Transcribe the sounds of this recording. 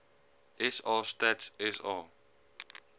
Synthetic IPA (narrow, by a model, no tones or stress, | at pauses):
ʔɛsɑːstetsɛsɑ